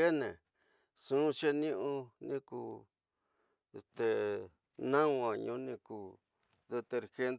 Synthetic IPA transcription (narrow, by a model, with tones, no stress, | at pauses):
e˦nẽ˨ | sũ˦ʃe˦nĩ˦ʔũ˦˧nĩ˦ku˧˨ | e˨st̪e˨ | nã˦ŋ˧ã˨ɲũ˧˦nĩ˧kuː˨˧˨ | ðe˧t̪e˧ɾxe˧nd̪